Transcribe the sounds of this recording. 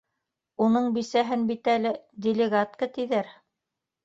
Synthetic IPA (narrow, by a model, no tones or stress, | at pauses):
unɤɴbisæɦɘnbit̪ælɘd̪ʲɪlʲɪɡat̪kət̪iðæɾ